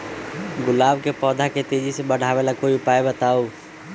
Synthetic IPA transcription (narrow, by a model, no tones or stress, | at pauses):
ɡʊlaːbkepɔːd̪ʱaket̪eːd͡ʒisẽɓəɽʱaːʋelakoːipaːebət̪aːoː